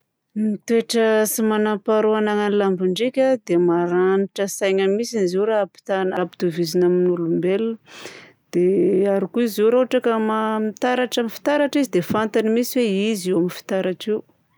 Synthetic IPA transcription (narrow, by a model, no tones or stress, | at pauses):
mit̪ueʈ͡ʂəsimanapaɾuanaŋanilambiɳɖ͡ʐekʲad̪emaɾaniʈ͡ʂəsajɲəmisiniziɾapi̥t̪anapid̪uvizinaminulumbelə | d̪̥eaɾikuiziwɾauaʈ͡ʂakəmamit̪aɾaʈ͡ʂamifi̥t̪aɾaʈ͡ʂizid̪efant̪animisiweiziwamifi̥t̪aɾaʈ͡ʂiw